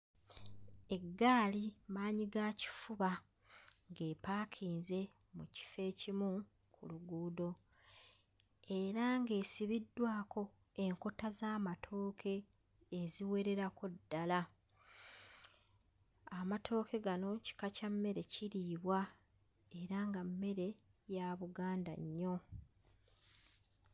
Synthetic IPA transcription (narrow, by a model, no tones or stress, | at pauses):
e̞ɡːaːlimaːɲiɡaci̥fuβa | ŋɡe̞ːpaːkʰiːnze̞muci̥fe̞ːcimu | kʰuluɡuːdo̞ | e̞ɾaŋɡe̞ːsiβidːwaːkʰo̞ | e̞ŋko̞tazaːmatʰo̞ːkʰe̞ː | ziwe̞ɾe̞ɾako̞dːala | amatʰo̞ːke̞ɡano̞ci̥kacamːe̞ɾe̞ciɾiːβwa | e̞ɾaŋɡamːe̞ɾe̞ | jaβuɡaːnda̰ɲːo̞